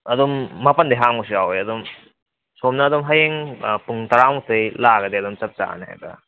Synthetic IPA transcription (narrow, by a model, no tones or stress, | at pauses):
ɐdomːɐpɐndiɦaŋus̬iawjɐdom | somnɐːdomɦajeŋpuŋtɐɾamutʰɯjlaɡɐdeɐdɔmt͡ʃɐp̚t͡ʃa̰nha̰jbɐ̰